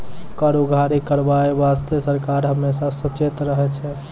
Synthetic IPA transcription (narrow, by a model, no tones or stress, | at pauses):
kaɾuɡʱaɾikəɾbaebast̪esəɾkaɾɦəmːesasət͡ʃet̪ɾəɦɛt͡ʃʰɛ